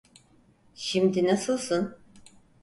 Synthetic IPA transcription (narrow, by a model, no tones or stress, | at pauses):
ʃimd̪inasɯlˠsun